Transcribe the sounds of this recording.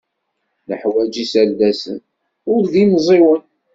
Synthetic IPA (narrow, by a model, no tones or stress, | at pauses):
nəħwæd͡ʒisældæsə̰n | ʊɾðimzˤiwən